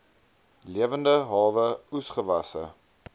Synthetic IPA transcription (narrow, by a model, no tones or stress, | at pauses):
liəvəndəɦɑːvəusχəvɐsə̰